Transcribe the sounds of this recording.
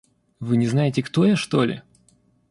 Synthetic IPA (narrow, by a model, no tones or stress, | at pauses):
vɨnʲɪznajɪtʲɪkt̪o̞jaʂt̪olʲɪ̰